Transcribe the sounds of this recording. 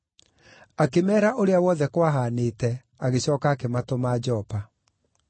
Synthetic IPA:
akemɛːɾaʔoɾeawɔðɛkwaɦaneːtɛ | aɣeɕɔːkaːkematomaːd͡ʑɔːpa

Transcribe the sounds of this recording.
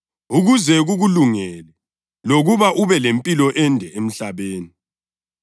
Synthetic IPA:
uɣuzɛɣuɣuluŋɛlɛ | loɣuβaʔuβɛlempʼilɔʔɛndʱɛem̩ɬaβeːni

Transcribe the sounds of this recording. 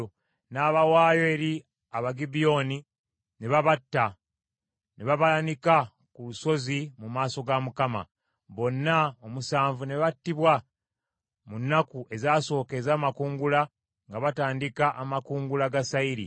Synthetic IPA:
naːβawaːjo̞e̞ɾi | aβaɡibio̞ni | neβaβatːa | neβaβalanika | kuluso̞zimumaːso̞ɡamukama̰ | βo̞nːaomusaːɱvune̞βatːiβwa | munːakuʔe̞zaːso̞ːke̞zaːmakuːŋɡula | ŋɡaβataːndikaʔamakuːŋɡulaɡasaiɾḭ

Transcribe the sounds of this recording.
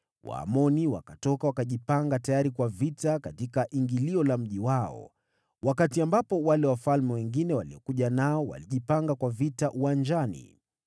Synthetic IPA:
wʔa̰ːmɔniwa̰katɔkawakaʄipaŋɡatajaɾikwavitakatikaʔiŋɡiliɔlam̩ʄiwaɔ̰ | wakatiambapɔwalɛwafalmɛwɛŋɡinɛwaliɔkuʄanaɔwa̰liʄipaŋɡakwavitaʔuwand͡ʒanḭ

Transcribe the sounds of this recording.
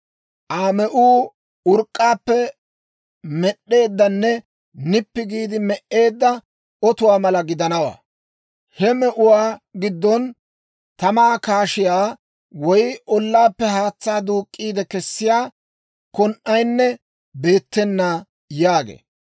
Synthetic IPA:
ʔaːmɛʔuː | ʊɾkʼːaːpːɛ | mɛɗe̞ːd̪ːɐnːɛ | nɪpːɪɡiːd̪ɪmɛʔe̞ːd̪ːɐ | ɔt̪ʊwaːmɐlɐɡɪd̪ɐnɐwa̰ː | hɛmɛʔʊwaːɡɪd̪ːɔn | t̪ɐmaːkaːʃɪjaː | wɔjɔlːaːpːɛhaːt͡sːaːd̪uːkʼːiːd̪ɛkɛsːɪjaː | kɔnʔɐjnːɛ | be̞ːt̪ːɛnːa | jaːɡḛː

